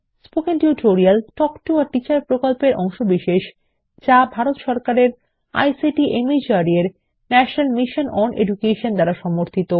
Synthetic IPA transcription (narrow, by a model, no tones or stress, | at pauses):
spokenʈiuʈʰoɾialʈɔkʈuaɾʈit͡ɕaɾpɾokolpeɾʔɔŋʃobiʃeʃ | d͡ʑabʱaɾot̪ʃɔɾkaɾeɾ | a̰jsiʈiʔemid͡ʑaɾieɾ | nɛʃonalmiʃonʔɔnḛd͡ʑukeʃond̪aɾaʃɔmoɾt̪ʰit̪o